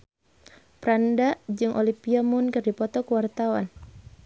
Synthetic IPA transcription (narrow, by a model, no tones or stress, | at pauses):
pɾandad͡ʒɨŋʔɔ̰lipiamʊnkɨrdipɔt̪ɔkuwart̪awa̰n